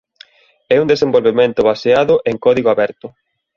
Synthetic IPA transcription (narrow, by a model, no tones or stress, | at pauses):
ɛund̪esembolβemẽnt̪ʊβaseaðʊʔeŋkɔðiɣoaβɛɾt̪ʊ